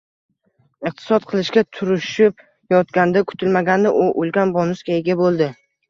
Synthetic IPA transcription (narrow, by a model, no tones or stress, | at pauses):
ɨq̚t̪ʰɪ̥sɒt̪̚qʰɨlˠɪʃkʲat̪ʰʊɾɪʃɪp̚ | jɒt̪ɡʲand̪akʰʊ̥t̪ʰɪlmaɡʲand̪aʔʊʔolˠɡʲanbɒnʊskʲaeɡʲabolˠd̪ɪ